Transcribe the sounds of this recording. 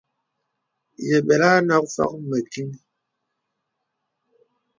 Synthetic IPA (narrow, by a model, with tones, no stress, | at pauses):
jɛ˨ɓɛ˨la˦na˦kfa̰˦k̚mɛ˨ki˦ŋ